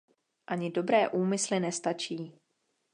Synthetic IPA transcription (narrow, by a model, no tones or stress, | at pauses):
ʔaɲɪdo̞bɾɛːʔuːmɪslɪnɛst̪at͡ʃiː